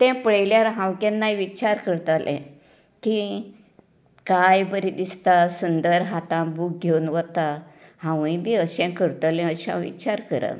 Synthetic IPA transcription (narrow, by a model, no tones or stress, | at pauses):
t̪ɛ̃pəɽəjljaɾɦãwkẽnːajʋit͡ɕaɾkəɾt̪alʔɛ̰̃ | ki | kajbəɾid̪ist̪asund̪əɾɦat̪ãbuːk̚ɡʱewnʋət̪ahãwĩbiəɕɛ̃kəɾt̪əlɛ̃əɕã̰ʋḭt͡ɕaɾkəɾə̰